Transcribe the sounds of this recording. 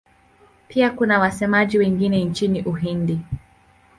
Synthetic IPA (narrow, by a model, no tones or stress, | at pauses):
piakunawasɛmaʄiwɛŋɡinɛnt͡ʃiniʔuɦindi